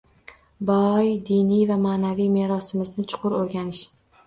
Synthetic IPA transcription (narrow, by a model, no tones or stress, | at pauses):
bɒjd̪inijvamaːnavijme̞ɾɒsɪmɪznɪt͡ʃʰʊ̥qʰʊɾoɾɡʲanɪʃ